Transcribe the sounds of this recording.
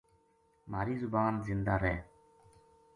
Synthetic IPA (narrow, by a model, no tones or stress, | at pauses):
maːɾiːzʊbaːnzɪnd̪aːɾeː